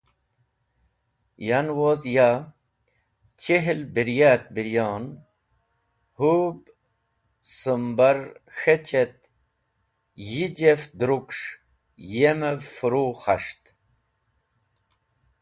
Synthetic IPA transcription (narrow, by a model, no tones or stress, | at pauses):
janwozja | t͡ɕeɦlbiɾjaːt̪̚biɾjoːn | hub | səmbaɾxet͡ɕet̪̚ | jid͡ʑefd̪ɾukʂ | jemefuɾuxaʂt̪